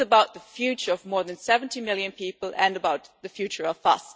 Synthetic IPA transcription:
əbaʊt̪̚ðəfjʉt͡ʃə˞ʌvmɔɹðɨ̃nsɛṽn̩tʰimɪlˠjɨ̃npipəl̩ˠɨ̃nəbaʊt̪ðɨfjʉt͡ʃə˞ʌvʌ̰s

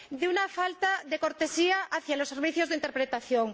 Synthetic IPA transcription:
d̪eunafalt̪aðekoɾt̪esiaʔaθjaloseɾβiθjozðeint̪eɾpɾet̪aθjoŋ

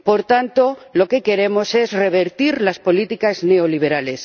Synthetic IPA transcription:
po̞ɾt̪ant̪o̞lo̞ke̞ke̞ɾe̞mo̞se̞zre̞β̞e̞ɾt̪iɾlaspo̞lit̪ikazne̞oliβ̞e̞ɾale̞s

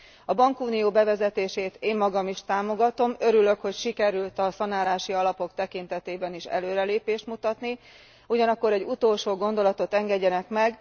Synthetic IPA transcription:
ɒbɒŋkuːnijoːbɛvɛzɛt̪eːʃeːt̪eːmːɒɡɒmiʃt̪aːmo̞ɡɒt̪o̞mø̞ɾylø̞kho̞cʃikɛɾylt̪ɒsɒnaːlaːʃiɒlɒpo̞kt̪ɛkint̪ɛt̪eːbɛniʃɛ̰løːɾɛleːpeːʃt̪mut̪ɒt̪ni | uɟɒnɒkːo̞ɾɛɟːut̪oːlʃoːɡo̞nd̪o̞lɒt̪o̞t̪ɛŋɡɛɟːɛnɛkmɛɡ

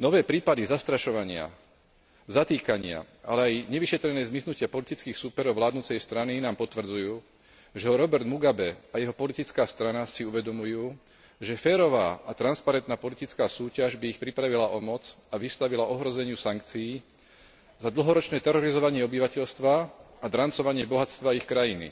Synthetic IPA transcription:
nɔʋɛːpɾiːpad̪izast̪ɾaʃɔʋaɲɪa̰ | zat̪iːkaɲɪa̰ | ʔa̰lɛajɲɛʋiʃɛt̪ɾɛnɛːzmiznucɪapɔlit̪it͡skiːxsuːpɛɾɔʊʋlaːd̪nut͡sɛjst̪ɾaninaːmpɔt̪ʋr̩d͡zujuː | ʒɛɦɔɾɔbɛɾd̪muɡabɛajɛɦɔpɔlit̪it͡skaːst̪ɾanasiuʋɛd̪ɔmujuː | ʒɛfɛːɾɔʋaːat̪ɾanspaɾɛnt̪naːpɔlit̪it͡skaːsuːcaʒbiːxpɾipɾaʋilaʔɔmɔt͡saʋist̪aʋilaʔɔɦɾɔzɛɲɪusaŋkt͡sijː | zad̪l̩ˠɦɔɾɔt͡ʃnɛːt̪ɛɾɔɾizɔʋaɲɪɛɔbiʋacɛʎst̪ʋa | ad̪ɾant͡sɔʋaɲɪɛbɔɦat͡st̪ʋaixkɾajinḭ

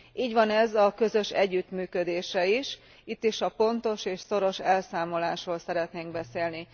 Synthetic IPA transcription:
iːɟʋɒnɛzɒkø̞zø̞ʃɛ̰ɟːyt̪myːkød̪eːʃɛiʃ | it̪ːiʃɒpo̞nt̪o̞ʃeːʃso̞ɾo̞ʃɛlsaːmo̞laːʃroːlsɛɾɛt̪neːŋɡ̚bɛseːlni

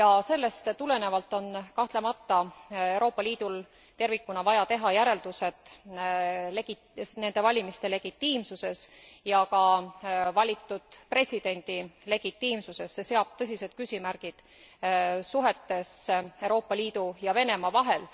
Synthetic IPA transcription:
jɑse̞lːe̞st̪t̪ule̞ne̞vɑlt̪ːˑo̞nkɑht̪le̞mɑt̪ːɑe̞wɾo̞ːpːˑɑliːd̪̥ul | t̪e̞rvikːunɑvɑjɑt̪e̞ɦɑjæɾe̞ld̪̥use̞t̪ | leɡ̥i | ne̞nd̪̥e̞vɑlʲimist̪e̞le̞ɡ̥it̪ːiːmsuse̞sjɑkɑvɑlʲit̪ːud̪̥pre̞sʲid̪̥e̞nʲd̪̥ile̞ɡ̥it̪ːiːmsuse̞sːe̞se̞ɑb̥̚t̪ɤs̬ʲise̞d̪̥̚kysʲimærɡ̥id̪̥ | suɦe̞t̪ːe̞sewɾo̞ːpːˑɑliːd̪ujɑve̞ne̞mɑvɑɦe̞l

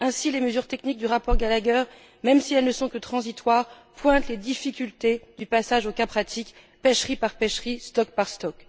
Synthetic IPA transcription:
ɛ̃sileməzyʁt̪ɛknik̚d̪yʁapɔʁɡalaɡœʁ | mɛmsiɛlnəsɔ̃kət̪χɑ̃zit̪waʁ | pwɛ̃t̪led̪ifikʲylt̪ed̪ypasaʒokãpχat̪ʰik | pɛʃχipaʁpɛʃχist̪ɔkpaʁst̪ɔk

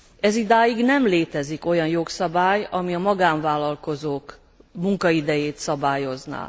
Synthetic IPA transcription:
ɛzid̪aːjiɡnɛmleːt̪ɛziko̞jɒnjo̞ksɒbaːjɒmiɒmɒɡaːɱvaːlːɒlko̞zoːk | muŋkɒid̪ɛjeːt̪sɒbaːjo̞zna̰ː

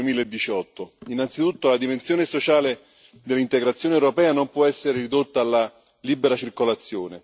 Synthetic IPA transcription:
miːleed̪ːit͡ʃɔt̪ːoinːant̪sit̪ut̪ːolad̪imensjoːnesot͡ʃaːle | d̪elːint̪eɡɾat̪sːjoːneɛwɾopɛːanompwɔɛsːeɾerid̪ot̪ːaːlːa | liːbeɾat͡ʃirkolat̪sːjoːne

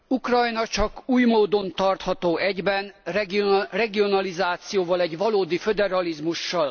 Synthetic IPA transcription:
ukrɒjnɒt͡ʃɒkuːjmoːd̪o̞nt̪ɒrt̪hɒt̪oːʔɛɟbɛnrɛɡrɛɡio̞nɒlizaːt̪sijoːvɒlɛɟvɒloːd̪ifø̞d̪ɛɾɒlizmuʃːɒl

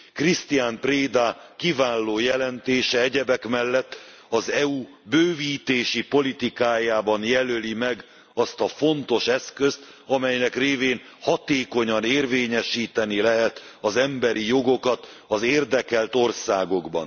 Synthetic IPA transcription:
krist̪ijaːmpreːd̪akivaːlːoːjɛlɛnt̪eːʃɛɛɟɛbɛkmɛlːɛt̪ː | ɒzɛu | bøːviːt̪eːʃipo̞lit̪ikaːjaːbɒnjɛlølimɛɡ | ɒst̪ɒfo̞nt̪o̞ʃɛskø̞st̪ | ɒmɛjnɛkreːveːn | hɒt̪eːko̞ɲɒneːrveːɲɛʃiːt̪ɛnilɛɦɛt̪ | ɒzɛmbɛɾijo̞ɡo̞kɒt̪ | ɒzeːrd̪ɛkɛlt̪o̞rsaːɡo̞ɡbɒ̰n

